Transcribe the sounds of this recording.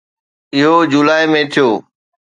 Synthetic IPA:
ɪɦod͡ʑulaːɪmẽt̪ʰijoː

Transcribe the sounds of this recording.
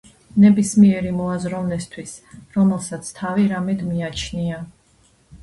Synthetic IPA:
nɛbismiɛɾimɔazɾɔvnɛst̪ʰwisɾɔmɛlˠsat̪sʰt̪ʰaviɾamɛd̪miat͡ʃʰnia

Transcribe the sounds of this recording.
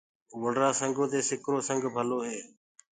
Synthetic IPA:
ʋəɳɖɾaːsə̃ŋɡʱõːt̪eːsɪkɾoːsəŋɡʱbʱəloːɦeː

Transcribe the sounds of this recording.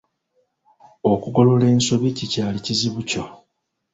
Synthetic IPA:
okuɡo̞lo̞le̞ːnso̞βicicaːliciziβuco

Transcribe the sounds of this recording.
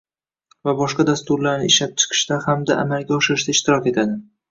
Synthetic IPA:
vabɒʃqɑd̪ast̪ʊɾlaɾnɪɪʃlap̚t͡ʃʰɨ̥qʰɨ̥ʃt̪ahamd̪aʔa̰malɡʲaɒʃɪɾɪʃd̪aɪʃt̪ɪɾɒkʲe̞t̪ʰad̪ɪ

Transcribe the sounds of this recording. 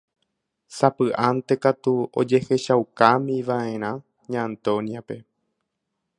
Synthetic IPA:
sapɨʔant̪e̞kat̪uo̰d͡ʒe̞he̞ʃawkamĩʋaʔẽ̞ɾ̃ã | ɲãnt̪onjape̞

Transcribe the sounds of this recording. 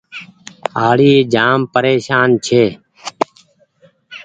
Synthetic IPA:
aːɽiːeːd͡ʒaːmpəɾeːʃaːnt͡ʃʰeː

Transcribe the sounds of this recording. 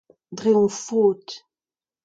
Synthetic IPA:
d̪ʁeɔ̃foːt̪

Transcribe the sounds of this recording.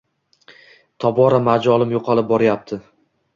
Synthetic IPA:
t̪ʰɒbɒɾamad͡ʒɒlˠɪmjoqʰɑlɪp̚bɒɾajap̚t̪ʰɪ

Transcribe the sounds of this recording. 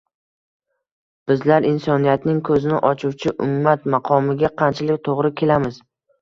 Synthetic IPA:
b̥ɪzlaɾɪnsɒnijat̪nɪŋkʰɵzɪnɪʔɒt͡ʃʰuwt͡ʃʰɪʔʊmːat̪mɑqʰɒmɪɡʲaqʰɑnt͡ʃʰalɪkʲt̪ʰoʁɾɪkʲʰe̞lamɪz̥

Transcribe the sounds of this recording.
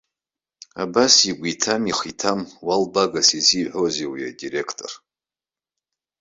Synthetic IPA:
a̰basiɡʷitʰamiχitʰamwalbaɡasiziħʷozewiadire̞kʰtʰʼo̞̰r

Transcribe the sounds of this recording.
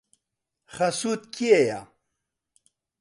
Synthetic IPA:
χɐsut̪̚kieja̰

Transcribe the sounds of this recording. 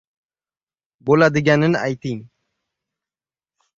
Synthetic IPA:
bolad̪ɪɡʲanɪna̰jt̪ɪŋ

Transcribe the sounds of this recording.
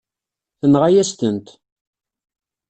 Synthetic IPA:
θənʁajæst̪ənt̪

